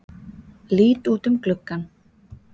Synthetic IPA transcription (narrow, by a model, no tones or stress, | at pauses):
liːt̪uːt̪ʏmklʏkːan